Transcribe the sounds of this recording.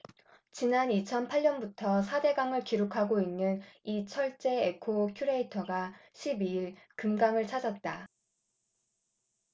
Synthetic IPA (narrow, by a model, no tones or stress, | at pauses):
t͡ɕinanit͡ɕʰʌnpʰaɭɲʌnbutʰʌsʰade̞ɡaŋɯɭkiɾokʰaɡoinːɯnit͡ɕʰʌɭt͡ɕ͈e̞ekʰokʰjuɾe̞itʰʌɡaɕʰibiiɭkɯmɡaŋɯɭt͡ɕʰad͡ʑʌt̚t͈a